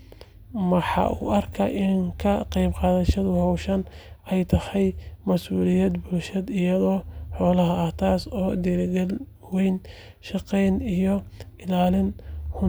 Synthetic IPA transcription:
mɐħɑ̰ːʔṵːʔɐrkʰɐ̰ʔɪŋkʰɐqɛjbqɑːðɐʃɐðʊhɔwʃɐnɛjt̪ʰɐhɛjmɐsʔuːlɪjɐd̪buːlʃɐd̪ɪjɐðɔːħɔːlɐɦɐɐht̪ʰaːsɔːd̪iɾɪɡɐl | wɛjn | ʃɑqɛjnijɔɪlaːlɪnhʊ

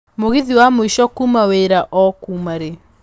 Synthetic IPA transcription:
moɣiðiwamoiʃɔkumaweːɾaʔɔkumaɾe

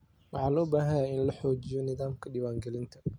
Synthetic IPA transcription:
wɑħɑːlɔːbaːɦɐjaːɪnlɐħɔːt͡ʃɪjɔnɪðaːmkʰɐɖɪwaːŋɡɛlɪnt̪ʰɐ̥

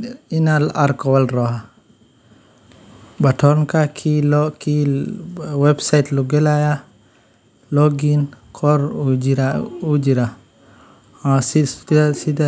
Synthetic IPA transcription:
inalaɾkɔwalɾɔha | batɔnkakʰilɔki | wɛbsajtluɡɛlaja | lɔɡinkʰɔɾd͡ʒiɾaud͡ʒiɾa | asisida

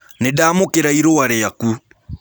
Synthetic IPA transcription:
nedaːmokeɾaiɾowaɾeaku

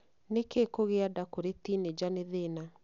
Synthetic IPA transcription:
nekekoɣeadakoɾetined͡ʑaneðena

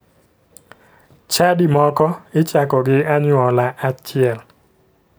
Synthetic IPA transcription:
t͡ʃadimɔkɔɪt͡ʃakɔɡɪaɲwɔlaʔat͡ʃɪɛl

